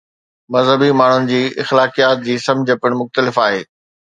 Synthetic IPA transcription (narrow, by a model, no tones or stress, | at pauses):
mɐzɦəbimaːɳ̤ʊnɪ̆d͡ʑiːɪxlaːkijaːt̪̚d͡ʑiːsɐ̃md͡ʑʱəpɪəɽ̃mʊxt̪əlɪfaːɦeː